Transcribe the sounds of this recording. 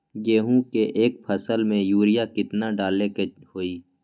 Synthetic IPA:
ɡeːɦũkeʔeːk̚pʰəsəlmẽjuːɾɪjakɪt̪naɖaːlekehoːiː

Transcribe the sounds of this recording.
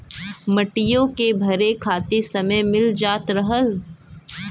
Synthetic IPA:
mɐʈɪjõkebʱɐɾekʰaːt̪esɐməjmɪld͡ʒaːt̪ɾɐɦəl

